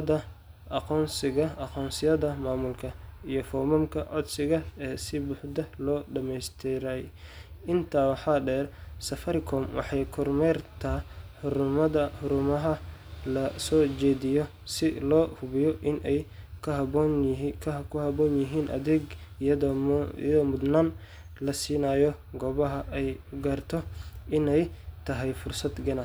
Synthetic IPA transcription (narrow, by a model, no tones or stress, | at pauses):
dɐ | ʔɑqɔːnsɪɣɐʔɑqɔːnsɪjɐðɐmaːmʊlkʰɐijɔfɔːmɔmkʰɐʔʕɔd̪sɪɣɐɛːsɪbʊħd̪ɐlɔːɖɐmɛjst̪ʰɪɾɛj | ʔɪnt̪ʰaːwɑħɑːɖɛːrsɐfɐɾɪkʰɔːmwɑ̰ħɑjkʰʊrmɛrt̪ʰaħʊɾʊmɐðɐħʊɾʊmɐɦɐlɐsɔːt͡ʃɛːd̪ɪjɔ | sɪlɔːhʊβɪjɔʔɪnʔɛjkʰhɐbɔnkʰkʰʊhɐbɔːnjɪɦiːnʔɐ̰ðɛɡ | ɔmʊd̪naːn | lɐsiːnaːjɔɡɔːβɐɦɐʔɛjʊɡaːrt̪ʰɔʔɪnɛjt̪ʰɐɦɛjfʊrsɐd̪ɡɐnɐs